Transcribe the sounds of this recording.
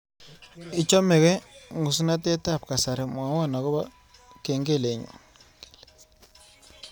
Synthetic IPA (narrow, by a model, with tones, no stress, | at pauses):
ɪ˦t͡ʃɔ˦mɛ˨kɛ˦ŋu˨s̬u˦na˦te˦ta˦˨p̚ka˨sa˨ɾe˨m˨a˨˦wa˦˨na˨kɔ˦ba˦ | ke˨ŋɡe˦˨le˨ɲɔ̰˨